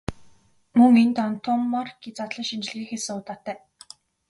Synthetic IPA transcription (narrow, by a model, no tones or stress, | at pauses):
mɵŋent̪ɔnt̪ʰɔmːɔrɡet͡sat̪ɮə̆ŋʃint͡ɕ̆ɮɣiːxesɘ̆ŋʊt̪aːt̪ːæː